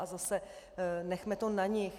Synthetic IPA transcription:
azasɛ | nɛxmɛt̪onaɲɪx

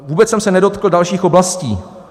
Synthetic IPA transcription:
vuːbɛt͡ssɛmsɛnɛdo̞t̪kl̩dalʃiːxʔoblasciː

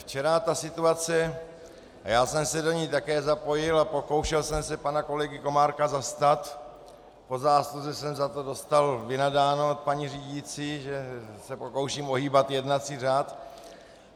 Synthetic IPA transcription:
ft͡ʃɛɾat̪asɪt̪uat͡sɛ | jaːsɛmsɛdo̞ɲɛjt̪akɛːzapo̞jɪlapo̞ko̞wʃɛlsɛmsɛpanako̞lɛɡɪko̞maːɾkazast̪at̪ | po̞zaːsluzɛsɛmzat̪o̞do̞st̪alvɪnadaːnot̪̚paɲiriːɟit͡siːʒɛsɛpo̞ko̞wʃiːmoɦiːbat̪jɛdnat͡siːr̝aːt̪

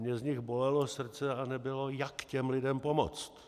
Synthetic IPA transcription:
ɲɛzɲɪɣbo̞lɛlo̞sr̩t͡sɛanɛbɪlo̞jakcɛmlɪdɛmpomo̰t͡st̪

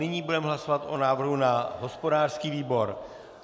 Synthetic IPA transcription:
ɪɲiːbudɛmɦlasovat̪ʔo̞naːvr̩ɦunaɦo̞spodaːrskiːviːbo̞ɾ

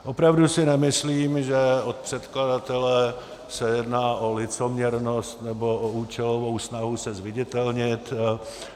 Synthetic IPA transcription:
ʔopɾavdusɪnɛmɪsliːmʒɛot̪̚pr̝̥ɛt̪kladat̪ɛlɛ | sɛjɛdnaːʔolɪt͡somɲɛɾnost̪nɛbo̞ʔouːt͡ʃɛlovowsnaɦusɛzvɪɟɛt̪ɛlɲɪt̪

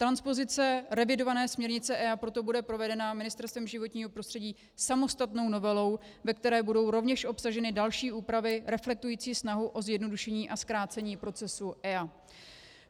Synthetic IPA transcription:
t̪ɾanspo̞zɪt͡sɛɾɛvɪdo̞vanɛːsmɲɛɾɲɪt͡sɛʔɛapɾot̪o̞budɛpɾo̞vɛdɛnamɪnɪst̪ɛɾst̪vɛmʒɪvo̞t̪ɲiːɦo̞pɾost̪r̥ɛɟiː | samo̞st̪at̪no̞wno̞vɛlo̞w | vɛk̚t̪ɛɾɛːbudo̞wɾo̞vɲɛʃʔo̞psaʒɛnɪdalʃiːʔuːpɾavɪɾɛflɛk̚t̪ujiːt͡siːsnaɦuʔo̞zjɛdno̞duʃɛɲiːʔaskɾaːt͡sɛɲiːpɾo̞t͡sɛsuʔɛa

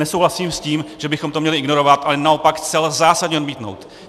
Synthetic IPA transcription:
ɛsowɦlasiːmsciːmʒ̥ɛbɪxomt̪omɲɛlɪʔɪɡno̞ɾovat̪ʔalɛnao̞pakxt͡sɛlzaːsadɲɛod̪miːt̪no̞̰wt̪

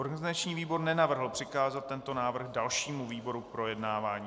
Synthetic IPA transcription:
ʔoɾɡanɪzat͡ʃɲiːviːbo̞ɾnɛnavr̩ɦl̩pr̥ɪkaːzat̪̚t̪ːɛnt̪o̞naːvr̩ɣdalʃiːmuviːbo̞ɾupɾo̞jɛdnaːvaːɲiː

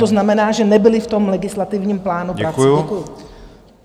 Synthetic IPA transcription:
t̪oznamɛnaːʒɛnɛbɪlɪft̪o̞mlɛɡɪslat̪ɪvɲiːmplaːnupɾɾakɛkujʊ

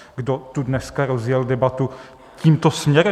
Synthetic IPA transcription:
ɡdot̪udnɛskaɾozjɛldɛbat̪u | ciːmt̪osmɲɛɾɛ

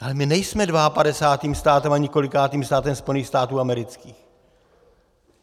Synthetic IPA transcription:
ʔalɛmɪnɛjsmɛdvaapadɛsaːt̪iːmst̪aːt̪ɛmaɲɛko̞lɪkaːt̪iːmst̪aːt̪ɛmspolniːxst̪aːt̪uːamɛɾɪt͡skiːx

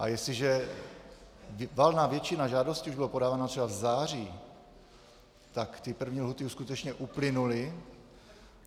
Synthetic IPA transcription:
ʔa̰jɛslɪʒɛ | valnaːvjɛt͡ʃɪnaʒaːdo̞scɪuʒbɪlopo̞daːvaːnat̪rɛbavzaːr̝iː | t̪akt̪ɪpr̩vɲiːlɦut̪ɪuskut̪ɛt͡ʃɲɛʔuplɪnulɪ

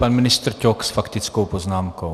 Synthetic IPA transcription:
panminist̪ɾcʲɔksfakt̪it͡skowpɔznaːmko

